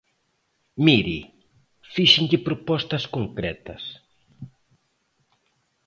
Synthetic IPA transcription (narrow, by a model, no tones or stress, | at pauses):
miɾi | fiʃɪ̃ŋkɪpɾopɔst̪ɐskoŋkɾɛt̪ɐs